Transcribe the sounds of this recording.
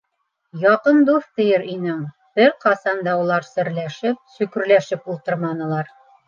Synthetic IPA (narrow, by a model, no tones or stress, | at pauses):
jɒqɤnd̪uft̪ɘ̆jɘɾinɘŋ | b̥ɘɾqɑsɑnd̪ɑulˠɑɾsɘ̆ɾlæʃɘp̚sʉkɵ̆ɾlæʃɘpulˠt̪ɤ̆ɾmɑnɤ̆lˠɑɾ